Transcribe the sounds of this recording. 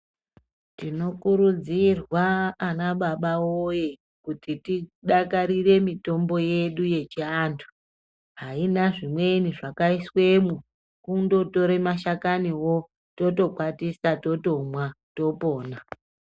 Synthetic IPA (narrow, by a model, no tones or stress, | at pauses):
tino̞kuɾud͡zirwaːnaɓaɓawoje̞ | kutitiɗakaɾire̞mito̞mbo̞je̞ɗuje̞t͡ʃiaːntʰu̥ | ɦainaʐimwe̞iniʐakaiswe̞mu | kundo̞to̞ɾe̞maʃakaniwo̞ | to̞to̞kwatisato̞to̞mwato̞po̞ːna